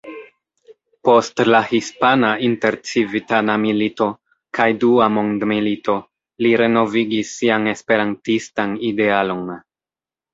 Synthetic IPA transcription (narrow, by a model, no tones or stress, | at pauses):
po̞stlahispanainte̞ɾt͡sivitanamilito̞ | kajduamondmilito̞ | liɾe̞no̞viɡisːiane̞spe̞ɾantistanide̞alo̞n